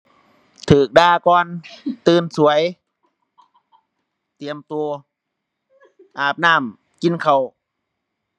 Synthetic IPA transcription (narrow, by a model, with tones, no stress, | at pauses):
t̪ʰɯː˨˩k̚daː˧˩kɔː˧nt̪ɯː˧nsu˨˦əj | t̪i˨˩əmt̪u˧ə˧ | ʔaː˨˩p̚naː˧˩m | ki˧˨nkʰa˨˩w